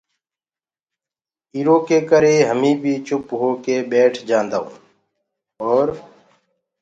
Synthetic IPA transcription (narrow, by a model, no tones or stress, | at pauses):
iːɾoːkeːkəɾeːɦəmĩːbʱiːt͡ʃʊpɦoːkeːɓeːʈʰd͡ʒãːnd̪aõ̰ː | oːɾ